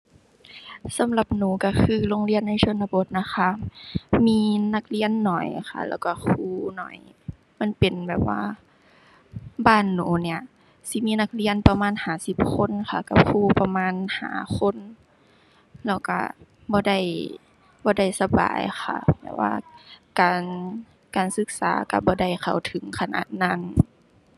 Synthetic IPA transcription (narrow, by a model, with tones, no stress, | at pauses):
sa˨˦mla˧˦p̚nuː˨˦ka˧˩kʰɯː˧lo˧˨ŋli˧˥ənːa˧˥˨jsʰo˧˨nːa˧bo˧˦t̪̚na˧xʰa˧miː˧˥˨na˧˦k̚li˧ənːɔ˨˩jxʰa̰˧˩lɛ̰ː˧˩wka˧˩kʰuː˧˩nɔ̰˨˩˦j | ma˧˥˨npe˨nbɛː˨˩p̚wa̰ː˧ | baː˧˩˨nːuː˨˦ni˧˩ɐ | si˧˦miː˧˥˨na˧k̚li˧˨ənpa˧maː˧˥˨nhaː˨˩˦si˧˦p̚kʰo˧˥˨nxʰa˧˩ka˧˩p̚kʰuː˧˨pa˧maː˧˥˨nha̰ː˨˦kʰo˧˥˨n | lɛː˧˩wka̰˧˩ | bɔː˧˦da˧˥˩j | bɔː˧˦da˥˩jsa˧ba̰ː˨jxʰa̰˧˩bɛ̰ː˧˩p̚wa̰ː˧kaː˨n | kaː˨˩nsɯ˧˦k̚saː˨˦ka̰˧bɔː˧˦da˧˩jkʰa˨˩wt̪ʰɯ˨˦ŋkʰa˧na̰ː˧˩˦t̪̚na˧˥˩n